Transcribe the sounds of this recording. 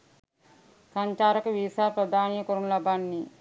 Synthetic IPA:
saɲt͡ʃaːɾɐkəʋisaːɾpɾɐd̪aːnijɐkoɾunlɐbanːi

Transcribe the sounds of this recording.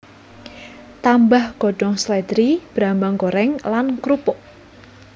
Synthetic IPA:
t̪ambahɡ̥ɔ̤ɖ̥ɔŋslɛd̪ɾib̥ɾambaŋkoɾɛŋlankɾupʊʔ

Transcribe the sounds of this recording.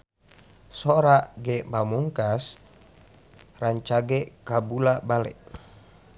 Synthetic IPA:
soɾaʔɡɛʔmamuŋkas | raɲt͡ʃaɡɛkabulabalɛ̰ʔ

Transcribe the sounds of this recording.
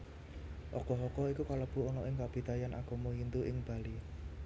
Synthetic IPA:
ʔɔkɔɦɔkɔikukaləb̥ṳɔnɔʔɪŋkab̥i̤d̪̥a̤janʔa̰ɡ̥ɔ̤moɦint̪uʔɪŋb̥a̤li

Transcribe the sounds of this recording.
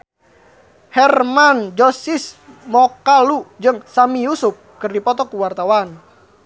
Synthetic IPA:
hɛrmand͡ʒɔsismɔkalud͡ʒɨŋsamijusup̚kɨrdipɔt̪ɔkuwart̪awan

